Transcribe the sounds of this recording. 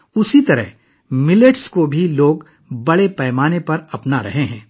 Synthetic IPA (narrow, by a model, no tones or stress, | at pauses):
ʊsit̪ɐɾə̰ɦ | mɪleʈskobʱiloːɡ | bɐɽepɛːmaːnepɐɾɐpnaɾɐɦeɦɛ̃ː